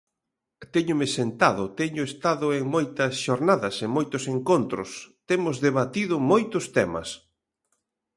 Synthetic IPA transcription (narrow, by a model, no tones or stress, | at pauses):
t̪ɛɲʊmɪsent̪aðʊt̪ɛɲʊest̪aðʊeŋmojt̪ɐsʃoɾnaðɐsemojt̪ʊseŋkont̪ɾʊ̰st̪emʊzðeβat̪iðʊmojt̪ʊst̪ɛmɐ̰s